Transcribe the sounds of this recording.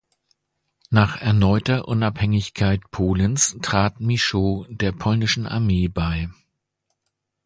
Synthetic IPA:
naːχɛɐnɔʏtɐʔʊnaphɛŋɪçkʰaɪtpʰoːlənstʁ̥aːtmiʃoːdeːɐpʰɔlnɪʃn̩ʔa̰ɐmeːbaɪ

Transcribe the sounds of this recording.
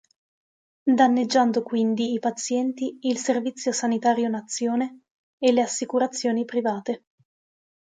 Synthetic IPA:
d̪anːed͡ʒːand̪okwind̪iːpat̪sjɛnt̪iːlservit̪sːjosanit̪aːɾjonat̪sːjoːneː | leasːikuɾat̪sːjoːnipɾivaːt̪e

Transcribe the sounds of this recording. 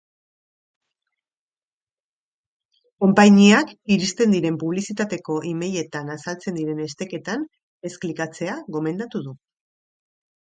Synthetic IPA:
ko̞mpaɲiakiɾist̪e̞nd̪iɾe̞mpuβ̞lisit̪at̪e̞ko̞ʔime̞je̞t̪anasalt͡se̞nd̪iɾe̞ne̞st̪e̞ke̞t̪an | e̞sklikat͡se̞aɣo̞me̞nd̪at̪uð̞u

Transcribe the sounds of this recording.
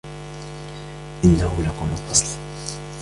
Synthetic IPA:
ʔɪnːahʊlakʊmʊlfɑsˤl

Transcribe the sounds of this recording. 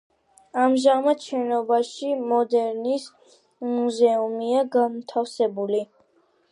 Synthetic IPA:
amʒamat̪ʃɛnɔbaʃimɔd̪ɛɾnis | muzɛumiaɡamt̪ʰafsɛbuli

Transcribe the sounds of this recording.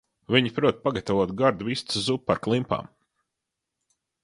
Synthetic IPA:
vʲiɲipɾuɔt̪̚paɡat̪avuɔt̪ɡaɾd̪vist̪szupːaɾklˠimpa̰ːm

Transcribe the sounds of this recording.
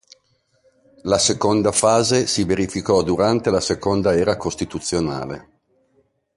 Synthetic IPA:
lasekond̪afaːzesiveɾifikɔd̪uɾant̪elasekond̪aɛːɾakost̪it̪ut̪sːjona̰ːlḛ

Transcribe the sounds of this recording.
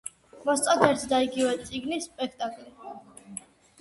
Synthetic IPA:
mɔst̪sʼad̪ɛɾt̪ʰd̪aiɡivɛt̪sʼiɡnispʼɛkʰt̪ʼakʼli

